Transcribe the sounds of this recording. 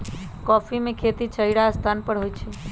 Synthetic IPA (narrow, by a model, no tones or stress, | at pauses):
kɔfimẽkʰet̪it͡ʃʰəiɽaəst̪ʰanpəɽɦojt͡ʃʰe